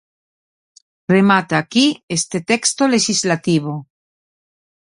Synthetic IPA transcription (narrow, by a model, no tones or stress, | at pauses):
remat̪aːkiest̪et̪ekst̪oleʃizlat̪iβ̞o